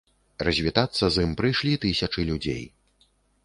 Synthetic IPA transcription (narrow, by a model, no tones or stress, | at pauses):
rɐzʲvʲit̪at̪sːɐzɨmpɾɨjʂlʲit̪ɨsʲɐt͡ʂɨlʲud͡zʲḛj